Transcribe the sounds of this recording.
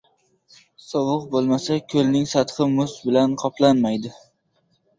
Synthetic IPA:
sɒwɨqbolˠmasakʲʰɵlnɪŋsat̪χɨmʊsbɪlanqʰɒplˠanmajd̪ɪ

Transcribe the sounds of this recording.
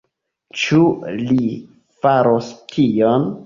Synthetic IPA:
t͡ʃuli | faɾoskʰijon

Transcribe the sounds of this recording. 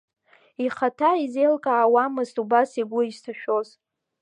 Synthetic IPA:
iχatʰaizejlkʼaːwamɨztʼubasiɡʷʊistʰaʃᶣo̞z

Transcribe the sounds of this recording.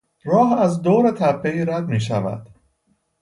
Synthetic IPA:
ɾɒːɦæzd̪oːɾet̪ʰæpʰːe̞iːɾæd̪̚miːʃævæ̰d̪̥

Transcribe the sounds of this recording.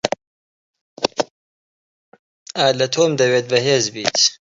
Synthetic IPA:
aːlɐt̪ʰoːmd̪ɐweːt̪̚bɐɦeːzbiːt̪

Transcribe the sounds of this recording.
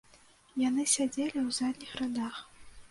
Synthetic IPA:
janɨsʲad͡zʲelʲiwzad̪ʲnʲixrad̪ax

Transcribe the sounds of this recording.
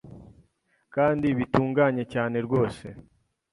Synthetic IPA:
kaːndiβituːŋɡaɲe̞caːne̞ɾɡo̞ːse̞̰

